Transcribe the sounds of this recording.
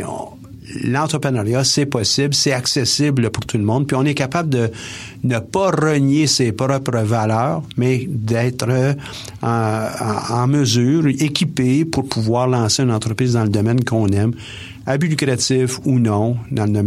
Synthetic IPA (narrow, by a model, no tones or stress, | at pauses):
lɑ̃t̪ʁəpʁənaʁjasɛpɔsɪblsɛaksɛsɪbləpuʁt̪ʰulmɔ̃d̪̚pɥiɔ̃nɛkapabld̪ə | nəpaʁənjesepɾɔpɾəvalœːʁmɛd̪ɛːt̪ʁə | ɑ̃məzyːʁekʲipepuʁpʰuvwaːʁlɑ̃seɛnɑ̃t̪ʁəpʁiːzd̪ɑ̃ləd̪ɔmɛnkɔ̃nɛm | abylykɾat͡sɪfunɔ̃d̪ɑ̃ləd̪ɔɛ